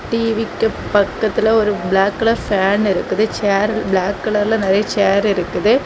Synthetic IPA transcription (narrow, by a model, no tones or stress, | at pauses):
ʈiːʋikʲːɨpɐkːɐt̪ːileoɾubɭaːkːuɭɐfaːɳiɾukːɐðɨt͡ɕaːrbɭaːkːɨɭɐrlenɐɾɐjɐt͡ɕaːɾiɾukːɐðɨ